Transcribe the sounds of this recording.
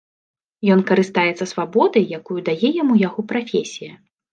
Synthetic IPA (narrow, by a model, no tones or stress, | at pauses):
jɔnkɐɾɨst̪ajɛt̪sɐsvabɔd̪ɐjjakujud̪ajɛjamujaɣɔpɾafʲesʲijɐ